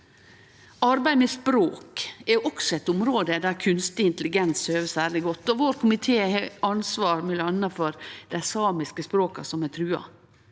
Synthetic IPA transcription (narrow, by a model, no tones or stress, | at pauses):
ɑɾbæɪmɛspɾoːkɛʔɔksɔɛt̪ʊmɾoːd̪əd̪æɾkʰʉnst̪ɪɪnt̪lɪɡɛnsøːʋəsæːɾlɪɡɔt̪ːɔʋoːɾkʰʊmɪt̪ʰeːɑnsʋɑːɾmɪlɑnːɑfɔɾd̪̥æɪsɑːmɪskəspɾoːkɑsɔmɛt̪ʰɾʉːɑ̰